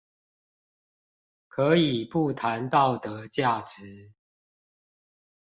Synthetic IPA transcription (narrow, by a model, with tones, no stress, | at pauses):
kʰɤ˨˦i˨˩pu˥˨t̪ʰa˨˦nt̪ɑ˥˨ʊt̪ə˨˦t͡ɕja˥˨ʈ͡ʂɻ̩˨˦